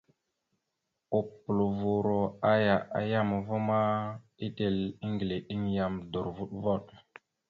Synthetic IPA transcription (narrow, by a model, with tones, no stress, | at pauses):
o˨pːu˨lo˨vu˨ɾo˨a˦ja˨ʔa̰˨ja˦m˨vo˦ma˦ | i˦ɗe˨li˦ŋɡi˨le˨ɗi˦ŋja˨mdo˨ɾvu˦ɗvo˦ɗ